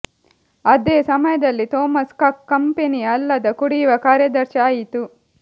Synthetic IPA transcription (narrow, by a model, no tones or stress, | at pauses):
ɐd̪eːsɐmɐjɐd̪ɐlːit̪ɔːmɐskaːkːɐmpeniɐlːɐd̪ɐkuɽijʋɐkaːɾjɐd̪ɐɾʃaːjit̪u